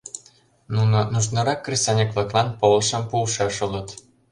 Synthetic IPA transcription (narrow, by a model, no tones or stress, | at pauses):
nunŏnuʃnɤ̆ɾɑkːrʲisɑnʲekβlɤ̆klˠɑnpolʃɤ̆mpulʃeʃɤlə̆t̪